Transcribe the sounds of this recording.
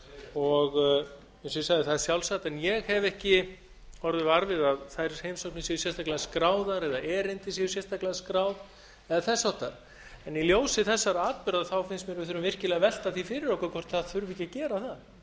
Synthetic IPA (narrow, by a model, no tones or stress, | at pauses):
ɔɣ | ɛsisaɣðɪθaðɪɾ̥sjawlsat̪ɛnjɛɣhɛvɛhcɪ | ɔɾðɪvaɾvɪðaðθaðjɾshejmsowknɪsjɛjʏsjɛst̪aklɛðaskɾaːwðaɾɛðaʔɛɾejnt̪ɪsɛjʏsjɛst̪aklɛðskɾaːwð | ɛðaθɛsːawht̪aɾ̥ | ɛniljoːwsɪθɛsːaɾaːt̪̚pʏɾðaθawfɪnsmjɛɾvɪθʏɾʏmvɪr̥cɪlɛɣavɛl̥t̪aθifɪɾɪɾowkaɾkʰvɔr̥t̪θaðθʏɾvicːacɛːɾaθa